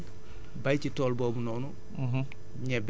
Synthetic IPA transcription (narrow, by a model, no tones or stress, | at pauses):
bɐjcitɔːlbɔːbunɔːnu | ɲɛb